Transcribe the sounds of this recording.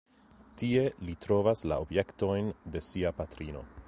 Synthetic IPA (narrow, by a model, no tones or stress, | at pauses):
tie̞litɾo̞vasla̰obje̞kto̞jnde̞siapatɾino̞̰